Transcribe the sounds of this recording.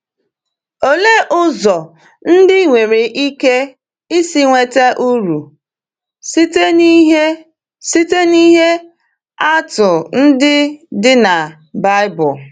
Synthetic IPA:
o˨le˦ʔʊ˦zɔ˨ | n̩˦dɪ˦ŋʷe˨ɾe˨ʔi˦ke˦ | i˦si˦ŋʷe˨te˦ʔu˦ɾu˨˦ | ɦ | si˦te˦ni˦ɦe˦ | a˦tʊ˨n̩˦dɪ˦dɪ˦na˨ | ba˦ɪ˦bʊ˨

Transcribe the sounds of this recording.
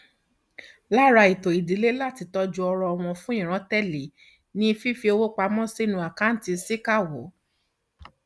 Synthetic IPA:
la˦˨ɾa˧i˨to˨i˨di˨˦le˦la˦˨ti˧tɔ˧d͡ʒu˧ɔ˧ɾɔ˧ɔ˧w̃ɔ̃˧fũ˦ĩ˦˨ɾ̃ã˨˦tɛ˦˨li˨˦ | nĩ˦˧fi˦fi˧˦o˧wo˦k͡pa˧mɔ̃˦si˦˨nũ˧˦a˨ka˨˦n̩˦ti˧si˦ka˦˨wo˨˦

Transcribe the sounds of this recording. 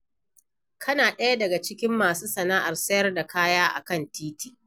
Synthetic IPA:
kʰɐ˦naː˨ɗɐ˦ja˦dɐ˨ɡa˨t͡ʃɪ˦kʲɪ˦mːaː˨suː˦sɐ˨naː˦ʔa˨rsɐ˦jɐ˦rda˨kaː˦jaː˦ʔa̰˨kɐ˦˨ntiː˦tiː˨

